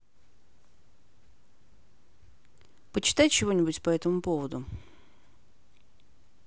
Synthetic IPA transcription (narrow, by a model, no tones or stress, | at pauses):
pət͡ɕɪ̥t̪ajt͡ɕɪvo̞nʲɪbʊtʲpɐɛt̪əmʊpo̞vəd̪ʊ